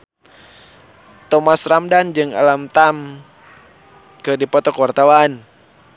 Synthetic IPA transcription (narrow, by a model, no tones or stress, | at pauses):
t̪ɔmasramdand͡ʒɨŋa̰lamt̪am | kɨdipɔt̪ɔkwart̪awan